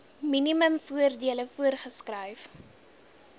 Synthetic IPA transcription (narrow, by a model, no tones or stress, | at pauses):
miniməmfuərdiələfuərχəskrœjf